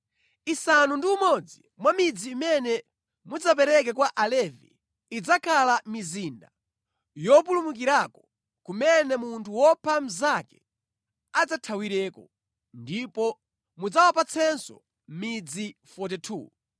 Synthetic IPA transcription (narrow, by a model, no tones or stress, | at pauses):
isanundiumɔd͡zi | mwamid͡ziːmɛnɛ | mud͡zap̬ɛɾɛk̬ɛkwaʔalɛvḭː | d͡zakʰalamiziːnda | jɔp̬ulumuk̬iɾakɔ | kumɛnɛmuntʰuwɔpʰam̩zakɛ̥ | ad͡zatʰawiɾɛːkɔ | ndipɔ | mud͡zawapat͡sʰɛnsɔ̰ | mid͡zifɔt̬itʰṵ